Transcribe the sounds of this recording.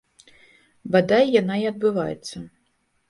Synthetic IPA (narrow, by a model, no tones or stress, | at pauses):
bad̪ajjanaiɐd̪̚bɨvajɛ̰t̪sːɐ